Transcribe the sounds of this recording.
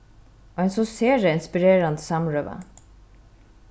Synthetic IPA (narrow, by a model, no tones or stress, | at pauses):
oɛnsɔseːɾəɪnspɪɾeːɾɑnd̪sɑmɹœʋə̰